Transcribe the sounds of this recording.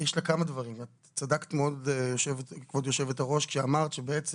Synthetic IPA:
jɛʃlakamadvaʁimat | t͡sadakt̪meodjoʃevetkvodjoʃevet̪aʁo̞ʃkʃeamaʁt̪ʃebeet͡s

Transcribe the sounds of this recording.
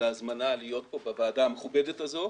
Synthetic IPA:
eazmanalijo̞t̚bo̞bevaːdaːmeχubedetazo̞

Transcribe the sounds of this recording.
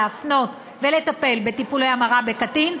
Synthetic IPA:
afno̞t | ve̞le̞t̪ape̞lbe̞t̪ipulejamaʁabe̞katin

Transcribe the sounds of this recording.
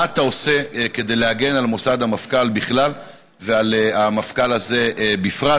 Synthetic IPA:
at̪ao̞se̞ke̞d̪ejleaɡe̞nalmo̞sad̪hamafkalbiχlal | vealeamafkalaze̞bifʁa

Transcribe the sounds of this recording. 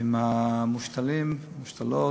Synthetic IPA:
imamuʃt̪alim | muʃt̪alo

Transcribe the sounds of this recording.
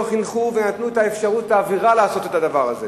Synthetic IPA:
χinχuvenat̪nuetae̞fʃaʁutaːviʁalaːso̞te̞t̪adavaʁa̰ze̞

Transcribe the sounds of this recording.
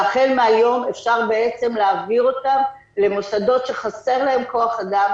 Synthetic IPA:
aχelmeajo̞mefʃaʁbe̞et͡se̞mleːviʁo̞tam | le̞mosado̞tʃe̞χase̞ʁlae̞mko̞aχad̪am

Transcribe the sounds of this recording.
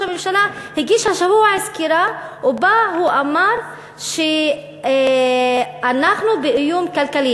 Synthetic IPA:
amɪmʃalahiɡiːʃhaʃabuʕɪskiɾawbahuʔamaːɾˤ | ʃe | ʔanːaxnubeʔɪjuːmkalkaliː

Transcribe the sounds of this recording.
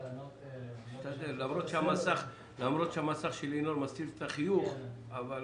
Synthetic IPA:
t̪aelamʁot̪ʃeamasaχ | lamʁo̞t̪ʃeamasaχʃelinolmastivet̪aχijuχaval

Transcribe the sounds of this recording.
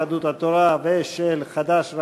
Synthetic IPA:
ad̪ut̪at̪oɾaveʃelxad̪aʃɾ

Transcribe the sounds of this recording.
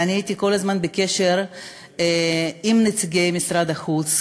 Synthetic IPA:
aniait̪iko̞lazmanbeke̞ʃeɾ | imnet͡siɡejmisɾad̪axut͡s

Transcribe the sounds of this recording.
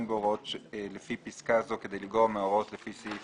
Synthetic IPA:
mbeoʁot̪lefipiskazo̞ked̪ejliɡoʁmeoʁo̞t̪lefisi

